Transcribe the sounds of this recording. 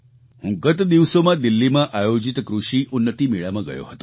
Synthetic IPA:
ɦũːɡət̪d̪iʋsomãd̪ilːimãʔajod͡ʑit̪kɾuʂiːʔunːət̪imiɭamãɡə̰jo̰ɦət̪o̥

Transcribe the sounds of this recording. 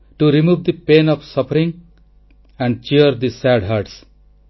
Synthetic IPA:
ʈuɾimuːʋd̪ipẽːnɔʋsʌfəɾɪ̃ŋ | ɛ̃ɳɖ̚t͡ʃiəɾd̪isæɖɦaɾʈs

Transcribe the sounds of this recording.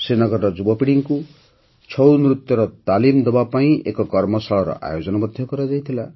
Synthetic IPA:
senʌɡʌɾːʌd͡ʒubʌpiɽiŋku | t͡ʃʰʌwnrut̪jɔɾʌt̪alimd̪ɔbapaĩʔḛkɔkʌrmʌsaɭɔɾɔ̰ʔa̰jod͡zʌnabɔd̪ʱjɔkɔɾʌd͡ʒajt̪ʰila

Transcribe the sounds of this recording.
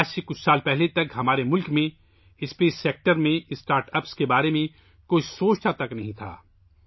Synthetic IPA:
aːd͡ʒsekʊt͡ʃʰsaːlpɛɦlet̪ɐkɦɐmaːɾemʊlkmẽ | ɪspeːsːeːk̚ʈəɾmẽɪsʈaːɾʈɐpskebaːɾemẽ | koːisoːt͡ʃt̪ʰat̪ɐknɐɦĩt̪ʰa̰ː

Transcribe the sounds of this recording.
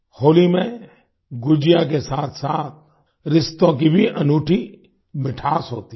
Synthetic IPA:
hoːlimẽ | ɡʊd͡ʒijak̬esaːt̪ʰsaːt̪̚ʰ | ɾɪst̪õkibʱiʔɐnuːʈʰi | mɪʈʰaːsɦoːt̪i

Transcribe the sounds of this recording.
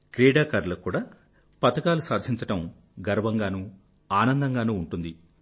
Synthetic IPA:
kɾɛːɽaːkɐːɾlɐkːuːɽaː | pɐt̪ɐkaːlusaːd̪ʱiɲt͡ʃɐʈɐm | ɡɐɾʋɐŋɡaːnuː | aːnɐnd̪ɐŋɡaːnuːɳʈund̪i

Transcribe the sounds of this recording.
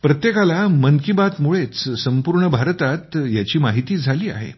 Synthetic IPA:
pɾət̪jekalamənkibat̪muɭet͡ssəmpuɾɳəbʱaɾt̪at̪jat͡ɕiːmaɦit̪iːd͡zʱaliːa̰ɦḛ

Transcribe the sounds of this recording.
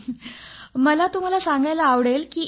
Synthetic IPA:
məlat̪um̤alasaŋɡajlaːʋɽelkiː

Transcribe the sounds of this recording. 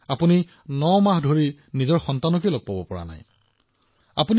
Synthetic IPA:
apuni | nɔmaɦdʱoɹinizɔɹxɔntanɔk̬elɔɡ̚pabɔpɔɹa̰na̰j | a̰pun

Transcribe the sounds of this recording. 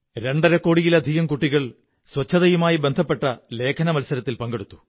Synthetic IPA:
ɾe̞ɳɖɐɾɐkːoːɽijilɐd̪ʱiɣɐmkuʈːiɣɐɭ | swɐt͡ɕʰːɐðɐjumaːjibe̞nd̪ʱɐpːe̞ʈːɐle̞ːkʰɐnɐmɐlsɐɾɐt̪ːilpɐŋɡeɽut̪ːu̥

